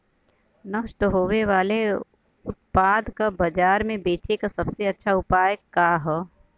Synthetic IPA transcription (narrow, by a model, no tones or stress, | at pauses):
nɐʃʈəɦoːʋeʋaːle | ʊt̪̚paːd̪kabɐd͡ʒaːɾmẽbeːt͡ʃekasɐbseɐtːʃʰaʊpaːjəkːaːɦɛː